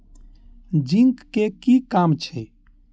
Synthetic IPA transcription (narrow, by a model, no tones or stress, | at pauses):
d͡ʒiŋkːekikamt͡ʃʰɛ